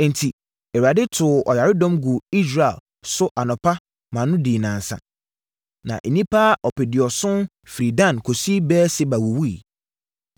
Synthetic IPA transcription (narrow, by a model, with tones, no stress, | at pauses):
n̩˨tʰi˨ | ɛ˨wa˨dɪ˦tʰʊ˨ɔ̰˨ja˨ɾɪ˦dɔ̃˦mɡʊ˨i˦s̬ɾa˨ɛ̰˨l | sʊ˦ʔa˨nɔ̃˨pʰa˦ | mã˨nʊ̃˦diː˨nãː˨n˨sã̰˨ | nã̰˨ʔe˨nĩ˦pʰa˦ʔɔ˨pɛ˨dɪ˨ɔ˨sʊ̃˦n | fɾi˨dã˦˨nkʰo˨si˦bɛː˦sɪ˦ba˨wʊ˨wu˦i˨